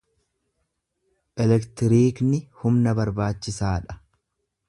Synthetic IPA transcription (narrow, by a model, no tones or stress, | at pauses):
ʔɛlɛkt̪ɪɾiːknɪhʊmnɐbɐɾbaːt͡ʃːɪsaːᶑɐ̥